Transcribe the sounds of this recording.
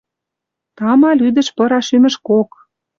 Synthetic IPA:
t̪ɑmɑlyd̪ə̆ʃpɤ̆ɾɑʃymɘ̆ʃkok

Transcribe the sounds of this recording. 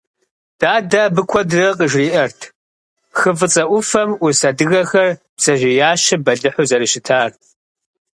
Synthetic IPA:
d̥aːdaːbɨkʷʰɔdrɐqʼəʒriːʔɐrtʰ | xɨfɨt͡sʼɐʔʷʊfɐmʔʊsɐdɨɣɐxɐr | bsɐʒʷɪjaːʃɪbɐɮɨħʊzɐɾɨʃɪtʰaːr

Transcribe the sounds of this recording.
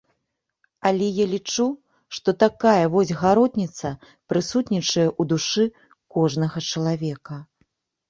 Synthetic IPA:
alʲɛjalʲit͡ʂu | ʂt̪ɔt̪akajɐvɔzʲɣaɾɔt̪ʲnʲit̪sɐ | pɾɨsut̪nʲit͡ʂɐjɛʔud̪uʂɨ | kɔʐnɐɣɐt͡ʂɐlˠavʲɛkɐ

